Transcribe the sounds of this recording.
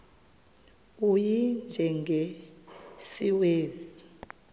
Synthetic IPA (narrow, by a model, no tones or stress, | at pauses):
ujind͡ʒʱɛŋɡʱe | siweːzi